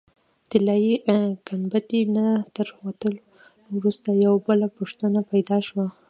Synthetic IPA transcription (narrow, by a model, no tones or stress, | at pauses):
t̪ɪlɑjiɡanbat̪inat̪əɾwat̪əl | wɾust̪ajawbəlapuʂt̪ənapajd̪ɑʃwa